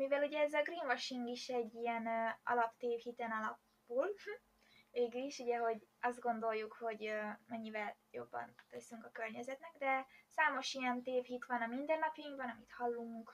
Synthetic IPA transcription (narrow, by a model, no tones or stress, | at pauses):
mivɛluɟɛɛzɒɡriːnvɒʃiŋɡiʃɛɟːijɛnɒ̰lɒpt̪eːfhit̪ɛnɒlɒp | buːl | veːɡyliʃuɟɛɦo̞ɟ | ɒzd̪̚ɡo̞nd̪o̞ljːukho̞ɟømɛɲːivɛl | jo̞̰bːɒ̰nt̪øsyŋkɒkørɲɛzɛt̪nɛɡd̪ɛsaːmo̞ʃijɛnt̪eːfhit̪ʋɒnɒmind̪ɛnnɒpjɒiŋɡbɒnɒmit̪hɒlːuŋk